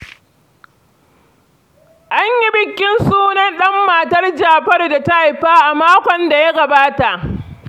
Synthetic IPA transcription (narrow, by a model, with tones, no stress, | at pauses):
ʔa˦ɲji˦bɪ˨kʲːɪ˦nsuː˦nɐ˦nɗɐ˦mːa˨tɐ˦rd͡ʒaː˨ɸɐ˦rda˨ta˦ʔa˨jɸaː˦ʔa˨maː˦kʷɔ˨nda˨ja˦ɡɐ˨baː˦ta˨ʔ